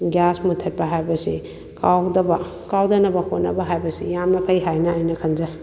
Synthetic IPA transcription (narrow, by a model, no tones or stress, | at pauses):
ɡjasmutʰːɐt̚pɐɦajbɐsi | kawdɐbɐ | kawdɐnɐbɐhʰonːɐ̰bɐɦajbɐsijamnɐpʰɐjɦajnɐːjnɐkʰɐnza